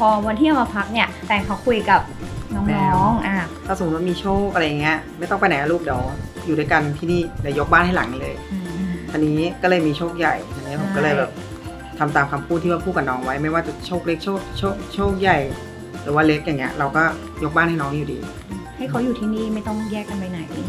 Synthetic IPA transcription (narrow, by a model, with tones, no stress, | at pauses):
pʰɔː˧wa˧nt̪ʰiː˥ʔa˨˧˩ma˧pʰa˦˥k̚ni˥˩ɐt̪ɛː˨˩ŋkʰa˦˥wkʰu˧jka˨˩p̚nɔː˧˥ŋːɔ˦˥˩ŋʔaː˧˩t̪ʰaː˥˩st̪wa˥˩miː˧t͡ɕʰoː˥˩k̚ʔa˨˧ɾa˧ja˨˩ŋːi˦˥ɐma˥˩jt̪ɔ˥˩ŋpa˧jnaː˨˩˦luː˥˩p̚dɛː˩˦w | juː˨˩daː˥˩ka˧nt̪ʰiː˥˩niː˥˩dɛː˨˩˦wjo˦˥k̚baː˥˩nɦa˥˩la̰˨˩˦ŋ˧lɤː˧jt̪ʰa˧nːiː˦˥kɔː˥˩lɤː˧˩jmiː˧t͡ɕʰoː˥˩k̚ja˨˩jt̪ʰa˧nːi˦˥kʰa˧˦kɔː˥˩lɤː˧˩jbɛː˨˩p̚ | t̪ʰa˧mt̪aː˧mkʰa˧mpʰuː˥˩t̪ʰːiː˥˩a˥pʰuː˥˩t̚ka˧nɔː˧ŋwa˦˥jma˥˩jwaː˥˩t͡ɕa˨˩t͡ɕʰoː˥˩k̚le˦˥k̚t͡ɕʰoː˥˩k̚t͡ɕʰoː˥˩t͡ɕʰoː˥˩k̚ja˨˩j | ɾɯː˩˦waː˥˩le˦˥k̚ja˨˩ŋːi˦˥ɐʔɾa˧wkɔː˥˩ | jo˦˥k̚baː˥˩nha˥˩˨nɔː˦˥ŋju˨˩dḭː˧ | ha˥˩jkʰa˨˦˥wjuː˨˩t̪ʰiː˥˩niː˥˩ma˥˩jt̪ɔ˥˩ŋjɛː˥˩kːa˧npa˧jna˨˩˦j